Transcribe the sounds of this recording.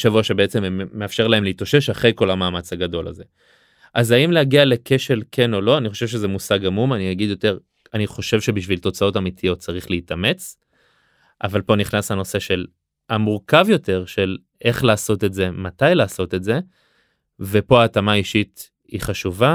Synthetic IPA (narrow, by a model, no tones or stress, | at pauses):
ʃavuaʃe̞beet͡se̞mmːe̞afʃe̞ʁlaemleitoʃe̞ʃaχʁejko̞lamaːmat͡shaɡado̞la̰ze̞ | ʔazaimleaɡialeke̞ʃe̞lkʰe̞no̞lo̞aniχo̞ʃe̞vʃ̬ezemusaɡamumaniaɡid̪jo̞te̞ʁ | aniχo̞ʃe̞vʃe̞biʃvilt̪o̞t͡sao̞tamit̪ʰijo̞t̚t͡saʁiχleitame̞t͡s | ʔavalpo̞niχnashano̞se̞ʃe̞l | amuʁkavjo̞te̞ʁʃe̞l | ʔe̞χlaːso̞te̞tze̞matajlaːso̞te̞tze̞ | ve̞po̞aːtamaiʃit | iχaʃuva